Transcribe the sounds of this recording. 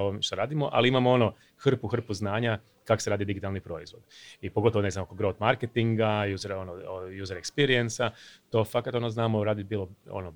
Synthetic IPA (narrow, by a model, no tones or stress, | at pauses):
oʋomʃt̪oɾaːd̪imo̞ʔa̰liimamoo̞no̞ | xr̩puxr̩puznaːɲa | kakoseɾaːd̪id̪iɡit̪alˠnipɾo̞izʋo̞d̪̥ipo̞ɡot̪oʋone̞znamokoɡɾot̪maɾket̪iŋɡajuːzeɾo̞nojuːzeɾekspiɾijensat̪o̞fakat̪onoznaːmoɾaːd̪ibiːlˠoo̰no